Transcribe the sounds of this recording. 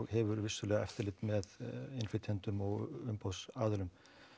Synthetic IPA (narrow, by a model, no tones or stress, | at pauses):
ɣhɛvʏɾvɪsʏlɛːɣaɛft̪ɪɾlɪt̪mɛðɪnfɪt̪ʰjɛnt̪ʏmɔɣʏmpowsaːðʏlʏm